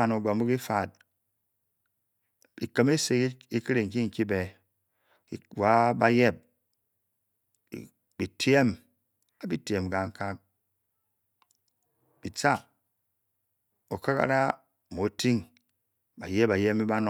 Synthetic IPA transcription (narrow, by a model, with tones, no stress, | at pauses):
a˨no˨ɡ͡ba˨m˦u˦ki˦fa˨t̚ | bi˨kə˦me˦se˨ki˦ki˦ɾe˨ŋ̩˨ki˦ŋ̩˨ki˦be˨ | ḭ˨wa˦ba˦je˦˨p̚ | bi˨tʰje˦m | a˨bi˦te˨m˨ɡa˨ŋ̩˦ka˦k̚ | b̥i˨t͡sa˦˨ | o˨ka˦ka̰˦ɾa˦˨ | mo˨˦ti˦ŋ | ba˨je˦ba˨je˦mi˦ba˦nɔ˦